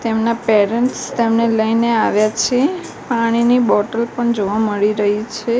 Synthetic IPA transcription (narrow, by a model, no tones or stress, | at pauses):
t̪emnapeɾəɳʈst̪emneləjneaʋjat͡ʃʰe | paɽ̃inibɔʈəlpəɳd͡ʒoʋaməɭiɾəɦit͡ʃʰe